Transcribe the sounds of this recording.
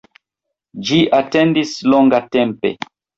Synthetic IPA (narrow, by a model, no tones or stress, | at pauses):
d͡ʒiʔatendisloŋɡatempe̞̰